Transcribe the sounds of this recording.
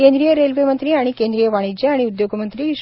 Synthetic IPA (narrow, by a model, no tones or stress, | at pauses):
kend̪ɾijəɾelʋemənt̪ɾiːaɽ̃ikend̪ɾijəʋaɽ̃id͡ʑeaɽ̃iud̪joɡəmənt̪ɾiːʃ